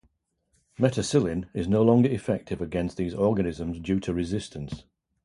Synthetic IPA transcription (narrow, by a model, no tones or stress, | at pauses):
mɛtʰəsɪlˠɪ̃nɪznoʊlɒ̃ŋɡəɹɪfɛk̚tʰɪvəɡɛ̃nsðiːzɔːɡənɪzə̃mzd͡ʒʉːtʰəɹɪzɪstʰə̃ns